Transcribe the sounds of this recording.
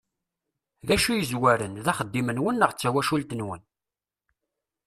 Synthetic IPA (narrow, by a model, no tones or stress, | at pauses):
ðæʃujəzwæɾənðæχəd̪ːimənwənːəʁt͡sːæwæʃult̪ənwə̰n